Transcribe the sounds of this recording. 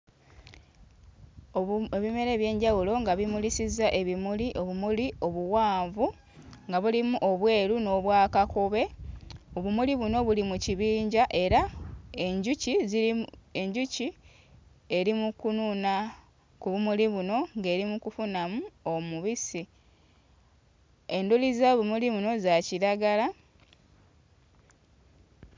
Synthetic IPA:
eβime̞ɾe̞ːβje̞ːɲɟawulo̞ŋɡaβimulisizaʔe̞βimuliʔo̞βumulio̞βuwaːɱvu | ŋɡaβulimuʔo̞βwe̞ːɾuno̞βwaːkakoβe̞o̞βumuliβuno̞βulimuciβiːɲɟaʔe̞ɾae̞ɲɟucizie̞ɲɟuci | e̞ɾimukununa | kuβumuliβuno̞ŋɡe̞ːɾimukufunamuo̞muβisi | e̞ndulizaβumuliβuno̞zaciɾaɡala

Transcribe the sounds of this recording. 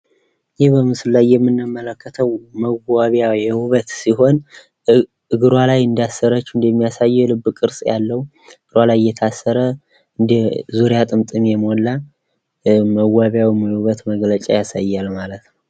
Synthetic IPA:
jebəmɨsɨlːajːɛmːɨnːɨmːələkʰːət̪ʰəwməɡaβjawjɛwuβət̪siɦo̞n | ɨɡɨɾwalajɨnd̪ijasːəɾət͡ʃːuɨnd̪ɛmːijasajːɛlɨbːkʼɨɾsʼja̰lːəhw | ɨɡ̥ɨɾwalajjːɛt̪ʰasːəɾə | ɨnd̪zuɾjat̪ʼɨmt̪ʼɨmjɛmolːa | məɡaβjawimjɛwβət̪məɡlət͡ʃʼa̰jasajːalmalət̪nəw

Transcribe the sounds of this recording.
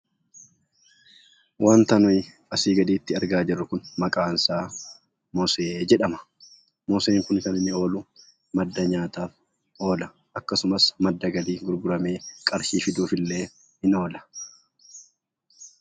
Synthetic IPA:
waːnt̪ɐnʊj | ɐsiːɡɐd̪iːt̪ːɪɐɾɡaːd͡ʒɛrːʊkʊnmɐkʼaːnsaː | mɔseːd͡ʒɛᶑɐmɐ̥ | mɔseːŋkʊnkɐnɪnːɪo̞ːlʊ | mɐd̪ːɐɲaːt̪aːf | ʔo̞ːlɐ | ʔɐkːɐsʊmɐsmɐd̪ːɐɡɐliːɡʊɾbʊɾɐme̞ːkʼɐɾʃiːfɪd̪uːfɪlːe̞ː | hɪno̞ːlɐ̥

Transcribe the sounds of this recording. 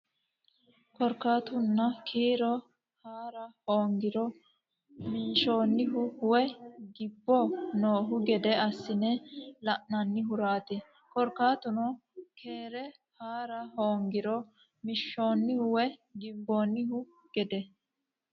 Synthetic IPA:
kɔɾkaːt̪ʊnːɐkʰiːɾɔ | haːɾɐhoːŋɡɪɾɔ | minʃo̞ːnːɪɦʊhʊwɛɡɪbːɔnoːɦʊɡɛd̪ɛɐsːɪnɛlɐʔnɐnːɪɦʊɾaːt̪ɛ | kɔɾkːaːt̪ʊnɔkʰe̞ːɾɛ | haːɾɐhoːŋɡɪɾɔ | mɪʃːo̞ːnːɪhʊwɛɡɪbbːoːnːɪɦʊ | ɡ̥ɛd̪ɛ

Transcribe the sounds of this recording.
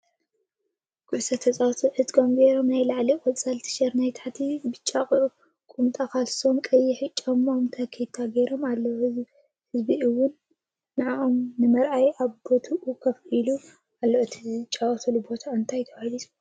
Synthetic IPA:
kʼusɐt̪ʰɐt͡sʼawt̪ʰuħɨt̪ʼkʰomɡejɾo̞mnajlaʕlikʼɔt͡sʼɐlt̪ʰɨ̥ʃɐɾnajt̪ʰaħat̪ʰibɨt͡ʃʼːakʼʔu | kʼumt̪ʼakʰalso̞mkʼɐjːɪħɨt͡ʃʼːɐmomt̪ʰɐkʰejt̪ʰːaɡejɾo̞malːɐɨz | hɨzbiɨwːʊnː | ɨʕaʔomnɨmɐɾʔajaβbo̞t̪ʰuʔukʰɐfilu | alːoʔt̪ʰizt͡ʃʼːawt̪ʰɐlubo̞t̪ʰaɨnt̪ʰajt̪ʰɐwalisʼ

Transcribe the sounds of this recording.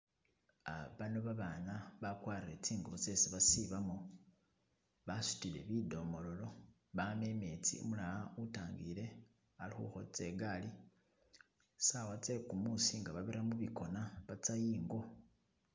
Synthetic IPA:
a̰βano̞βaβaːnaβakwaːrire̞t͡siːŋɡoβot͡seseβasiβamo | βasu̥tile̞̰βido̞mo̞lo̞lo̞ | βame̞me̞t͡sḭo̰mulaautaːŋɡile̞ | alixṵxo̞t͡se̞ɡali | sawat͡se̞kumusiŋɡaβaβeɾamuβiko̞naβat͡sajiːŋɡo̞

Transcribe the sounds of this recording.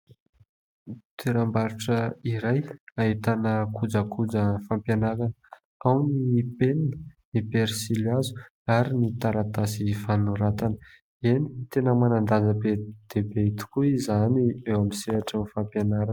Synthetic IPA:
t̪ʰeɾambaɾuʈ͡ʂəiɾajaɦit̪anəkʰud͡zakud͡zəfampjanaɾanə | awnipennə | ipeɾsilazu̥ | aɾinit̪aɾat̪asifanuɾat̪anə̥ | eni̥t̪enəmanand̪azəbed̪̥ebeit̪u̥kuizaniewamiseaʈ͡ʂanifampjanaɾa

